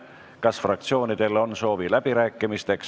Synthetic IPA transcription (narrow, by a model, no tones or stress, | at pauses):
kɑsfrɑk̚t̪sio̞ːnid̪̥e̞lo̞nso̞ːvilæb̥iɾæːkˑːimist̪e̞ks